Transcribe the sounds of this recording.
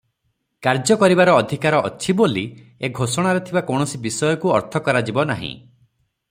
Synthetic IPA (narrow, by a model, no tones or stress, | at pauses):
kaɾd͡ʒɔkɔɾibaɾɔːd̪ʱikaɾɔʔɔ̰t͡ʃʰiboli | eɡʱosɔɽ̃aɾet̪ʰibakɔwɳ̃ɔsibisɔjɔkuɔɾt̪ʰɔkɔɾad͡ʒibɔna̰ɦḭ̃